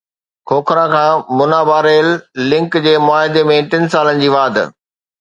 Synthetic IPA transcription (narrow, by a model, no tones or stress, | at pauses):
kʰoːkʰɾãkʰãːmʊnaːbaːɾeːlːɪ̃ŋkd͡ʑeːmʊaːɦɪd̪emẽʈɪnsaːlənɪ̆d͡ʑiːʋaːd̪̰ʱ